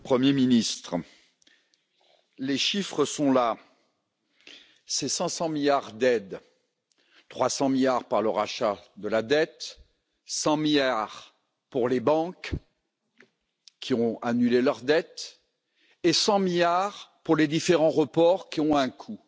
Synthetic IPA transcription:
pχəmjeminist̪χ | leʃifχəsɔ̃la | sɛsɑ̃sɑ̃miljaʁd̪ɛd̪ | t̪χwasɑ̃miljaʁpaʁləʁaʃad̪əlad̪ɛt̪ | sɑ̃miljaʁ | puʁlebɑ̃k | kʲːiɔ̃anylelœʁd̪ɛt̪ | esɑ̃miljaʁpuʁled̪ifeʁɑ̃ʁəpɔʁkʲiɔ̃ɛ̃kʰu

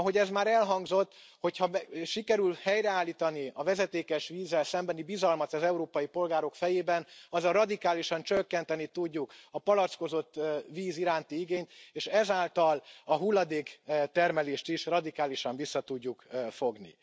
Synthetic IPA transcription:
ɒɦo̞ɟɛzmaːɾɛlɦɒŋɡzo̞t̪ːho̞cʰhɒʃikɛɾylhɛjɾɛaːlːiːt̪ɒniɒvɛzɛt̪eːkɛʃʋiːzːɛlsɛmbɛnibizɒlmɒt̪ɒzɛuɾoːpɒjipo̞lɡaːɾo̞kfɛjeːbɛnɒzːɒrɒd̪ikaːliʃɒnt͡ʃøkːɛnt̪ɛnit̪uɟːukɒpɒlɒt̪sko̞zo̞t̪ːviːziɾaːnt̪iiɡeːɲt̪eːʃɛzaːlt̪ɒlɒɦulːɒd̪eːkt̪ɛrmɛleːʃt̪iʃrɒd̪ikaːliʃɒɱvisːɒt̪uɟːukfo̞ɡnḭ

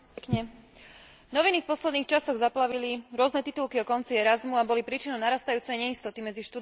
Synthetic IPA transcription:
kɲɛ | nɔʋinifpɔslɛd̪niːxt͡ʃasɔɣzaplaʋiliɾʊɔznɛt̪it̪ulkiɔkɔnt͡siɛɾazmuabɔlipɾiːt͡ʃinɔʊnaɾaːst̪ajuːt͡sɛjɲɛist̪ɔt̪imɛd͡ziʃt̪u

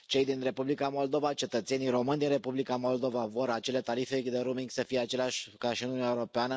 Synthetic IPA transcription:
t͡ʃe̞jd̪inre̞publikamo̞ld̪o̞vat͡ʃe̞t̪ət̪se̞nijɾo̞mɨnʲd̪inre̞publikamo̞ld̪o̞vavo̞ɾat͡ʃe̞le̞t̪aɾifed̪eɾumiŋɡʲsəfijeat͡ʃe̞leaʃʲkaʃiɨnunʲːaeoɾo̞peanə

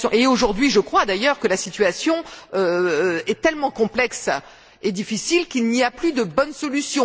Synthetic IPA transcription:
ɔ̃ʔeoʒuʁd̪ɥiʒəkχwad̪ajœʁkəlasit̪ɥasjɔ̃øɛt̪ɛlmɑ̃kɔ̃plɛks | ed̪ifisilkilniaplyd̪əbɔnsɔlysjɔ̃

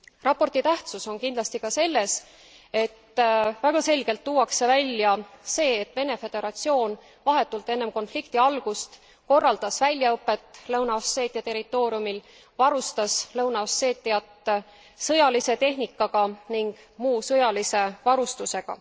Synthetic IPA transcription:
rɑpːo̞rt̪it̪æht̪suso̞nkind̪lɑst̪ikɑse̞lːe̞s | e̞t̪ːvæɡ̥ɑse̞lʲɡ̥e̞lt̪ːuːwɑkse̞vælʲːjɑse̞ːet̪ːˑve̞ne̞fe̞d̪̥e̞ɾɑt̪sio̞ːn | vɑɦe̞t̪ːˑult̪ːˑe̞nːe̞mko̞nflikt̪iɑlɡ̥ust̪ | ko̞rːɑld̪ɑsvælʲjɑɤpːˑe̞t̪ːˑlɤwnɑosːe̞ːt̪ːˑijɑt̪e̞ɾit̪ːˑo̞ːɾiumil | vɑɾust̪ɑslɤwnɑosːe̞ːt̪ʲːˑijɑt̪ː | sɤ̞jɑlise̞t̪e̞ɦnikːˑɑɡ̥ɑniŋɡ̥ | muːsɤjɑlise̞vɑɾust̪use̞ɡ̥ɑ̰

